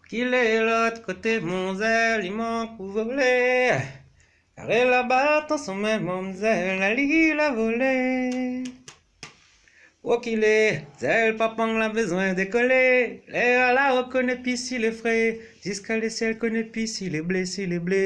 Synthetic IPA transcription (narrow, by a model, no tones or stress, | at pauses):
kilelɔt̪kot̪emɔ̃zɛlimɔ̃kuvole | a̰ʁelabat̪ɔ̃sɔ̃mɛ̃mɔ̃mzɛllalilavole | wokilezɛlpãpɔ̃ŋlãbəzwɛ̃d̪ekɔlelealaʁəkɔnɛpisilefʁe | ʒ̥yskalesjɛlkɔnɛpisileblesileble